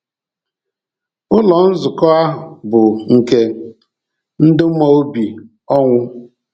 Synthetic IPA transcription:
ʊ˦lɔ˨˦n̩˦zʊ˨kɔ˦a˦ɦʊ˨bʊ˨ŋ̩˨ke˦ | n̩˦dɪ˦mɔ˦o˦bi˨ | ɔ˦ŋʷʊ˦

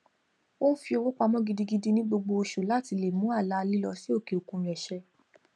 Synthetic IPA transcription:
wo˦n̩˦fi˧o˧wo˦k͡pa˧mɔ̃˦ɡi˧di˧ɡi˧di˦nĩ˦ɡ͡bo˧ɡ͡bo˧o˧ʃu˨la˨˦˨ti˨˧le˨mũ˨˦a˦˨la˨˦˧li˦lɔ˧si˦o˦˨ke˨o˨kũ˧ɾi˨ɛ˨ʃɛ˧

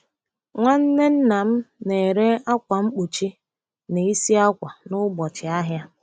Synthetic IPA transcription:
ŋʷa˦n̩˦ne˦n̩˦na˨m̩˦ne˨ɾe˦a˦kʷa˨ŋ͡m̩˦k͡pu˨t͡ʃi˦ | ne˨i˦si˦a˦kʷa˨nʊ˦ɡ͡bɔ˨t͡ʃɪ˨a˦ɦja˦

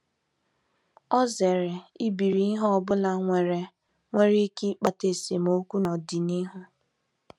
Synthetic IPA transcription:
ɔ˦ze˨ɾe˨i˦bi˨ɾi˨i˦ɦbʊ˦la˨ŋʷe˨ɾe˨ | ŋʷe˦ɾi˦ki˦k͡pa˨te˨se˨mo˦kʷu˦nɔ˨di˨ni˦ɦʊ˦

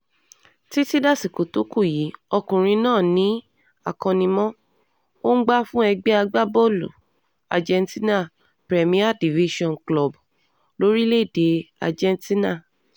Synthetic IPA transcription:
ti˦ti˦da˦˨si˨ko˨to˨˦ku˦˨ji˨˦ɔ˧kũ˨ɾ̃ĩ˧nãː˦˨nĩ˨˦ | a˦˨kɔ̃˧nĩ˧mɔ̃˦ | o˦n̩˦ɡ͡ba˦fũ˦ɛ˧ɡ͡bɛ˦a˧ɡ͡ba˦bo˦lṵ˨ | a̰˨d͡ʒɛ̃˧nti˦na˦˨ | pɾɛ˨mĩ˦a˦˨di˨vi˦ʃɔ̃˦˨nklɔ˨b | lo˦ɾi˦le˦˨de˨˧a̰˨d͡ʒɛ̃˧nti˦na˦˨

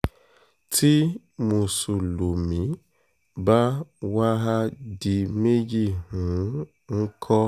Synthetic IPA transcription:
tʰi˦ | mũ˧su˨lo˨mĩ˨˦ | ba˦wa˦ɦa˦di˧me˦d͡ʒi˦˨hũ˨˦ | ŋ̩˦kʰɔ˦

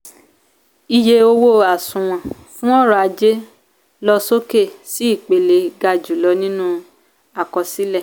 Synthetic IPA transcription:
i˨je˧o˧wo˦a˨sũ˨w̃ɔ̃˨ | fũ˦ɔ˦˨ɾɔ˧˦a˧d͡ʒe˦ | lɔ˦˧so˦ke˦˨si˨˦i˦˨k͡pe˨le˧ɡa˧d͡ʒu˨lɔ˧˦nĩ˦nũ˦ | a˨kɔ˧si˦lɛ˦˨

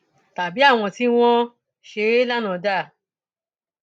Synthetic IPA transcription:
ta˨bi˨˦a˦˨w̃ɔ̃˧ti˦w̃ɔ̃˦ | ʃe˧˦la˦nã˨˧da˦˨

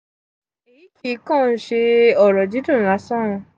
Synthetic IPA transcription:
i˨jĩ˦kʰi˦˨˦kã˦˨n̩˦ʃe˧ɔ˦˨ɾɔ˨d͡ʒi˨˦dũ˦˨la˧˦sã˦˨ũ˧

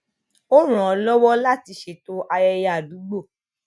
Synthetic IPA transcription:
o˦ɾ̃ũ˨ɔ˨˧lɔ˦wɔ˦la˦˨ti˧˦ʃe˨to˦ʔa˧jɛ˧ja˨du˨˦ɡ͡bo˦˨

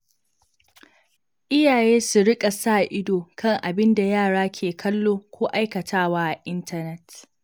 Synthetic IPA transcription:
ʔɪ˦jaː˨jeː˦su˨ɽɪ˦kʼa˨saː˦˨ʔɪ˦doː˨kʰɐ˦˨ŋʔa˨bɪ˦nda˨jaː˦˨ɽaː˦kʲʰeː˨kʰɐ˦lːoː˦kʷoː˦ʔa˦jkɐ˨tʰaː˦waː˦ʔa˨ʔɪ˦ntʰɐ˨nɛ˦t

